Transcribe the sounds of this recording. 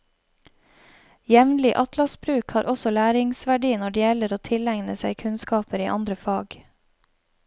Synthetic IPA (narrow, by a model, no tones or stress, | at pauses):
jɛʋnlɪʔɑt̪lɑsbɾʉːkhɑːɾʔɔsɔlæːɾɪŋsʋæɖiːnɔɖɛjɛləɾoːt̪ʰɪlæŋnəsæɪkʰʉnskɑːpəɾiːʔɑnd̪ɾəfɑːɡ